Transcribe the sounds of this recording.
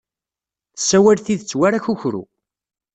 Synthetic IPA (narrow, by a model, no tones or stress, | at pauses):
θəsːæwælθiðət͡sːwaɾæçuçɾṵ